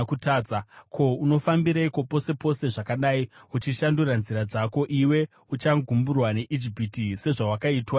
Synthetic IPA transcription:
kutaːd͡zakʰo̞uno̞fambiɾaiko̞po̞se̞po̞se̞ʐakaɗaiut͡ʃiʃanduranziɾad͡zako̞ʔiwe̞ | ut͡ʃaɡʱumburwane̞ʔid͡ʒipitise̞ʐawakaitwa

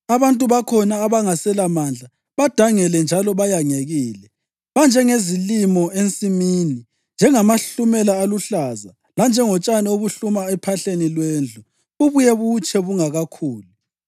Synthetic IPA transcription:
aβantʼuβakʰɔnaːβaŋasɛlamand͡ɮʱa | βad̥ʱaŋɛlɛnd͡ʒʱalɔβajaŋeɣiːlɛ | βand͡ʒʱɛŋezilimɔʔent͡sʼimini | nd͡ʒʱɛŋamaɬumɛlaːluɬaza | land͡ʒʱɛŋɔt͡ʃʼanɛoβuɬumaɛpʰaɬenilwend͡ɮʱu | uβujɛβut͡ʃʰɛβuŋaɣakʰuːlu

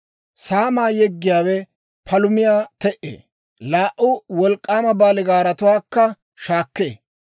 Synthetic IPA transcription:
saːmaːjɛɡːɪjaːwɛ | pʰɐlʊmɪjaːt̪ɛʔḛː | laːʔʊwɔlkʼːaːmɐbaːlɪɡaːɾɐt̪ʊwaːkːɐ | ʃaːkːḛː

